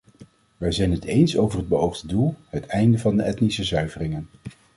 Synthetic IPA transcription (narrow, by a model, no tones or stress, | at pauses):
ʋɛjzɛjnɦətejnsowvərɦəd̚bəowχdədulˠɦətɛjndəvɑndəʔɛtnisəsœɥvərɪŋən